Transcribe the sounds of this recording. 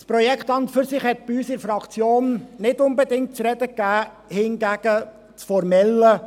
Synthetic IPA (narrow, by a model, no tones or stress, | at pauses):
spɾɔjɛkχt̪ɑnt̪fʏɾsɪχhɛt̪̚b̥ɪyːsɪɾfɾɑkt͡sjoːnnɪdʊnbɛd̪ɪŋt̚t͡sɾɛd̥̪əkːæː | hɪnɡæɡ̥ə | t͡sfɔɾmɛlːə